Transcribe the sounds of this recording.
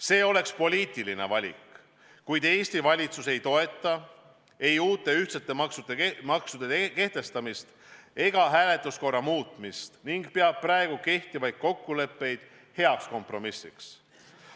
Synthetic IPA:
se̞ːo̞le̞kspo̞lʲiːt̪ˑiline̞̰vɑlʲḭk | kujd̪̥e̞ːsʲt̪ivɑlʲit̪suse̞jt̪o̞e̞t̪ːˑɑ | e̞juːt̪ːˑe̞yht̪set̪ːˑe̞mɑksud̪emɑksud̪̥eke̞ht̪e̞st̪ɑmist̪ | e̞ɡ̥ɑɦæːle̞t̪lusko̞rːɑmuːt̪ˑmist̪niŋɡ̥pe̞ɑb̥̚pːræeɡ̥uke̞ht̪ivɑjd̪̥̚ko̞kːule̞pːe̞jd̪̥ | he̞ɑksko̞mpro̞misːḭks

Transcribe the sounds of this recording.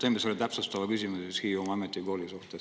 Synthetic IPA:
t̪eːmisolit̪æpsust̪ɑvɑkysimuseshiːomɑɑmet̪ːˑiko̞ːlisuht̪es

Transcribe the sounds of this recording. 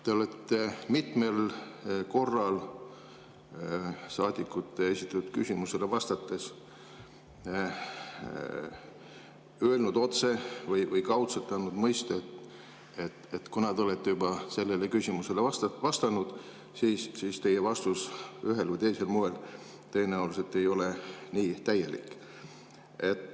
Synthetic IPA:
t̪e̞o̞let̪ːemit̪me̞lko̞rːɑl | sɑːd̪̥ʲikːˑut̪ˑːeesit̪ːˑɑt̪ːut̪̚kysʲimuse̞levɑst̪ɑt̪ːe̞s | øelnud̪o̞t̪se̞vɤjvɯjkɑwt̪set̪ːeɑnːud̪̥mɤjst̪ɑet̪ | et̪et̪kunɑd̪o̞let̪ːejubɑse̞lːe̞lekysʲimuse̞leɑst̪ɑvɑst̪ɑnud̪̥ | siːssiːst̪e̞jevɑst̪usyɦe̞lvɨjt̪e̞jse̞lmoel | t̪e̞jːenɑuliset̪ːe̞jo̞le̞niːt̪æjːe̞lḭkːˑ | e̞t̪ː

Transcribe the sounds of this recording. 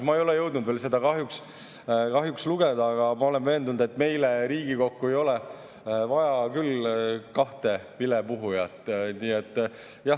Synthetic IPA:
mɑːejo̞le̞jɤwd̪nud̪vels̬e̞d̪ɑkɑɦjuks | kɑɦjuksluɡ̥e̞d̪̥ɑːɡ̥ɑmɑo̞le̞nve̞ːnd̪unud̪̥e̞t̪ːˑme̞jleɾiːɡ̥iko̞kːue̞jo̞le | vɑjɑkylkɑht̪e̞vilepuɦujɑt̪ːˑniːet̪ˑː | jɑ

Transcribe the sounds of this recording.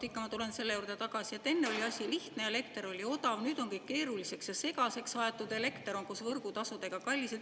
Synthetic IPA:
t̪ikːɑmɑt̪ule̞nse̞lːe̞juːrd̪et̪ɑɡ̥ɑsijɑt̪e̞nːe̞o̞lʲiɑsʲiliht̪neele̞kt̪eɾo̞lʲio̞d̪ɑvnyːd̪̥o̞ŋkɤk̚kːe̞ːɾulise̞ksjɑse̞ɡ̥ɑse̞ksɑet̪ːˑud̪e̞le̞kt̪eɾo̞ŋkusvɤrɡ̥ut̪ɑsud̪e̞ɡ̥ɑkɑlʲːise

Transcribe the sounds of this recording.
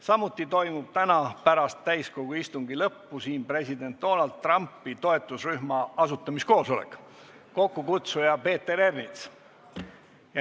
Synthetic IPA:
sɑmut̪ːˑit̪o̞jmub̥̚t̪ænɑpæɾɑst̪ːæjsko̞ɡ̥uist̪uŋɡ̥ilɤpːusiːnpre̞sid̪e̞nt̪̚d̪̥o̞nɑlt̪̚ːˑrɑmpːˑit̪o̞e̞t̪ːˑusryhmɑɑsut̪ːˑɑmisko̞ːso̞lḛkːˑ | ko̞kːukut̪sujɑpe̞ːt̪ːe̞ɾe̞rnit̪s | j

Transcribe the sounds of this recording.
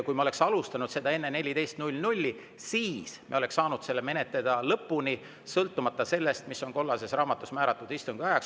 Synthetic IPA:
kujmo̞le̞ksɑlust̪ɑnud̪̥se̞d̪ɑe̞nːe̞ne̞lʲid̪e̞jst̪nulʲːnulʲːi | siːsmḭole̞ksːɑːnud̪̥se̞lːeme̞net̪le̞d̪̥ɑlɤpːuni | sɤlt̪ˑːumɑt̪ːˑɑse̞lːe̞st̪misːo̞nko̞lːɑse̞srɑːmɑt̪ːˑusmæːɾɑt̪ˑːud̪ist̪uŋɡ̥iɑjɑks

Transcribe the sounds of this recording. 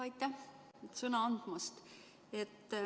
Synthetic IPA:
ɑjt̪ːæ | t̪sɤnɑɑnd̪̥mɑst̪ | et̪ː

